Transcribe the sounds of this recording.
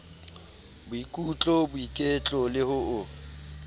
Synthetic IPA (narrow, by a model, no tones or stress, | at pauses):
bʊikʼut͡ɬʼɔbʊikʼet͡ɬʼɔlɪhʊʊ